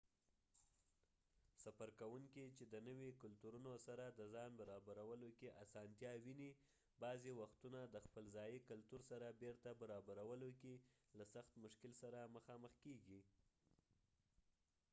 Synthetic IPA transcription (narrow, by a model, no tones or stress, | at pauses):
safaɾkawuŋkit͡ʃed̪ənəwekʊlt̪uɾunosaɾad̪əzɑnbaɾɑbaɾawəlokeʔasɑnt̪jɑwini | bɑzewaxt̪unad̪əxpəlzɑjikʊlt̪uɾsaɾabeɾt̪abaɾɑbaɾawəlokilasaxt̪mʊʃkɪlsaɾaməxɑməxkeɡi